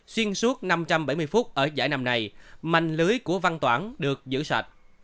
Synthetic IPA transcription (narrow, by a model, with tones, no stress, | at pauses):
swi˧ənsu˦˥ət̚na˧mt͡ɕa˧mɓa˧˩jmɨ˧jfu˦˥t̚ʔəː˧˩zaː˧˩jna˧mna˧jma̰˧˨jŋ̟lɨ˨˦əjku˧˩əva˧nt̪waː˧˩nɗɨ˨˩ək̚zɨ̰˧˥swa̰˨˩t̚